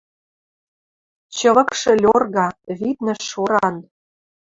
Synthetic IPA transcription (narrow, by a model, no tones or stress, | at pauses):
t͡ɕɤ̆βɤ̆kʃɤ̆lʲorɣɑβit̪nə̆ʃoɾɑn